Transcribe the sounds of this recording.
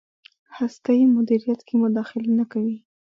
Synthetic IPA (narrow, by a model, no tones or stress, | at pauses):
hast̪ajimʊd̪iɾijat̪kʰemʊd̪ɑxɪlenakawi